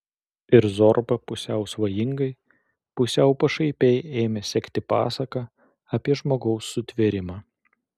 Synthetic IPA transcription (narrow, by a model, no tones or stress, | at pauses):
ɪɾzɔɾbɐpʊsʲɛʊsʋɐjɪŋɡɐɪ | pʊsʲɛʊpɐʃɐɪpʲɛɪeːmʲɛsʲɛkʲt̪ʲɪpɑ̰ːsɐkɑ | ɐpʲiɛʒmoːɡɒʊsːʊt̪ʲʋʲeɾʲɪmɑː